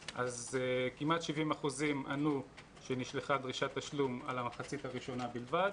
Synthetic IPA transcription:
ʔazkimat̪ʃivimaχuzimanu | ʃeniʃleχad̪ʁiʃat̪ːaʃluma̰lamaχat͡sit̪haʁiʃo̞nabilvad̪

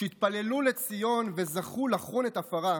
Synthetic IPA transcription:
it̪̚pale̞lule̞t͡sijo̞nve̞zaχulaχunet̪afaʁa

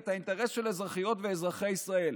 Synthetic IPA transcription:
t̪haint̪eʁe̞sʃelezʁaχijo̞tveːzʁaχe̞jisʁae̞l

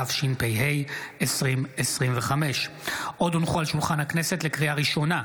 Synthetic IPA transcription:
afʃinpejɦejesʁimesʁimveχame̞ʃʔo̞dunχualʃulχanhaknese̞tle̞kʁiaʁiʃo̞na

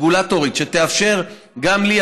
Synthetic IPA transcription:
ɡulat̪oʁit̪ʃet̪eafʃe̞ʁ | ɡamli

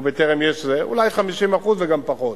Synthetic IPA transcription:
bet̪eʁemjeʃzeʔṵlajχamiʃimaχuzveɡampaχo̞t̪

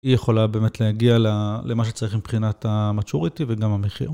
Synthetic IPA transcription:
ijeχo̞labeːmetlehaɡialalemaʃ̬et͡saʁiχmipχinatamat͡ʃuʁit̪iveɡamameχḭʁ

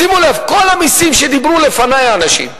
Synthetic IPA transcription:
imulevko̞lhamisimʃed̪ibʁulefanajaːnaʃḭm

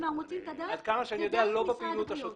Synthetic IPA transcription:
mamut͡simtd̪aad̪̚kamaʃeanijod̪ealo̞bepiːlut̪aʃo

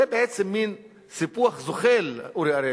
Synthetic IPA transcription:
ebeʔet͡semːin | sipuaχzoχeluɾeaɾe

